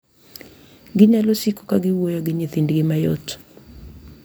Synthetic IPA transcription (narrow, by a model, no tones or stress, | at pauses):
ɡɪɲalosiko̥kaɡɪwojoɡɪɲeθindɡɪmajo̰t